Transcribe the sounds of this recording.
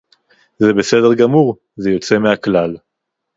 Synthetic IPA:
zebese̞de̞ʁɡamuʁ | zejo̞t͡se̞meaklal

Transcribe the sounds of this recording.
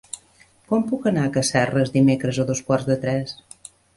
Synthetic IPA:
kɔmpukənaəkəsɛrəzd̪imekɾəzoðoskwarzðət̪ɾɛs

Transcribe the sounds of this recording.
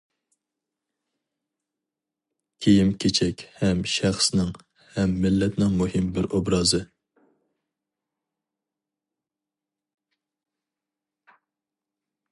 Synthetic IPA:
kʲʰejimkʲʰet͡ʃʰɛkʲhɛmʃæχsnɪŋ | hɛmːɪlːɛt̪nɪŋmuhɪmbɪɾobɾɑːzɨ

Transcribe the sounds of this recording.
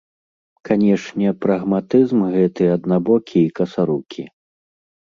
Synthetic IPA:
kʰanʲɛʂnʲɛpɾɐɣmat̪ɨzmɣɛt̪ɨɐd̪nabɔkʲʰiːkɐsaɾukʲʰi

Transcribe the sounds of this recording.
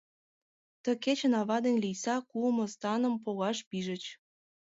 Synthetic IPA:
t̪ə̆ket͡ɕə̆nɑβɑd̪enʲlijsɑkumŏst̪ɑnə̆mp̬oɣɑʃpiʒə̆t͡ɕ

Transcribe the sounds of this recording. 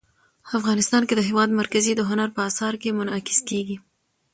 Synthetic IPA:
afɣɑnɪst̪ɑnked̪əɦewɑd̪maɾkazid̪əɦʊnaɾpəɑsɑɾkemʊnɑkɪ̥skeɡi

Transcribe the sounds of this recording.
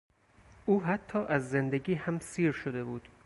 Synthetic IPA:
ʔuːɦæt̪ʰːɒːʔæzːend̪eɡiːhæmsiːɾʃod̪e̞buːd̪̥

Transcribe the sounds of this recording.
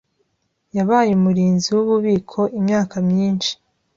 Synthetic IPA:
jaβaːjumuɾiːnziwuβuβiːkʰo̞ʔimɲaːkamɲiːnʃi̥

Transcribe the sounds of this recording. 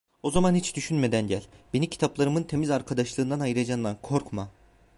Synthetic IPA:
o̞zamanhit͡ʃd̪yʃynme̞d̪ænɟælʲbe̞nimcʰi̥t̪ʰaplˠaɾɯmɯnt̪ʰe̞mizaɾkʰad̪aʃlˠɯːnd̪anajɯɾad͡ʒand̪ankʰo̞ɾkma

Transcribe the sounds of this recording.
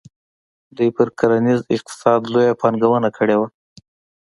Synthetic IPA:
d̪ujpəɾkaɾanizɪq̚t̪ɪ̥sɑd̪lojapɑnɡawənakʰəɽewa

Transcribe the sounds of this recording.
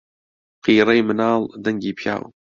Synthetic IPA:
qiːɾɛjmɨnaːld̪ɐŋɡiːpʰja̰ːw̰

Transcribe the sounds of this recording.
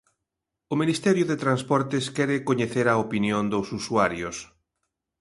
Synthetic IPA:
ʊminist̪ɛɾjʊðet̪ɾanspɔɾt̪ɪskɛɾɪkoɲeθeɾɐopinjõnd̪osusuaɾjos

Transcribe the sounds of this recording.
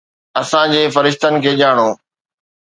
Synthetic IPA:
ɐsãd͡ʑeːfɐɾɪʃt̪ənɪ̆kʰeːʄaːɽ̃oː

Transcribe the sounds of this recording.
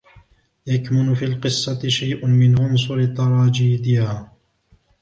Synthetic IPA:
jakmʊnʊfiːlqɨsˤːɑt̪ʃajʔʊmɪnʕʊns̬ˤʊɾɪt̪ːɑɾˤɑːd͡ʒiːd̪ɪhaː

